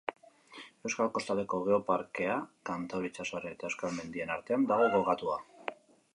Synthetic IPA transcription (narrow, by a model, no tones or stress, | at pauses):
e̞wskalko̞st̪ald̪e̞ko̞ɣ̞eo̞paɾke̞akant̪awɾit͡ʃasoret̪aewskalme̞nd̪ie̞naɾt̪eand̪aɣo̞ɣo̞lɣat̪ua